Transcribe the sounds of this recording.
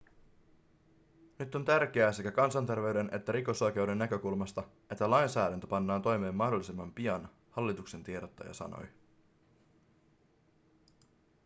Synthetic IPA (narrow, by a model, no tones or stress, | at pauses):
nyt̪ːo̞nt̪ærk̟e̞æːse̞kækɑnsɑnt̪e̞rʋe̞ɥde̞nʔe̞t̪ːæɾiko̞sɑk̟e̞wde̞nːækø̞kulmɑst̪ɑ | e̞t̪ːælɑjnsæːɾænt̪øpɑnːɑːnt̪o̞jme̞ːmːɑhdo̞lːisimːɑmpiɑn | hɑlːit̪ukse̞nt̪ieɾot̪ːɑ̰jɑ̰sɑ̰no̰j